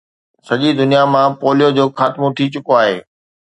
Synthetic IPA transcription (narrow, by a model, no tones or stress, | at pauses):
sɐʄid̪ʊnijamãpoːlijod͡ʑoːxaːt̪mõt̪ʰit͡ɕʊkoaːɦḛː